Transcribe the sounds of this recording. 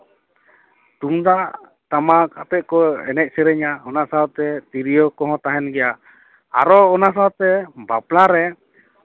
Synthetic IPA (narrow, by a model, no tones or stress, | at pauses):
t̪uŋd̪aʔ | t̪amakap̪ɛʔ̚kɔɛ̰nɛc̚sɛɾɛɲaɔnasaɔt̪ɛt̪iɾijɔkɔɦɔ̃t̪aɦɛnɡɛja | a̰ɾɔːnas̬awt̪ɛbaplaɾɛ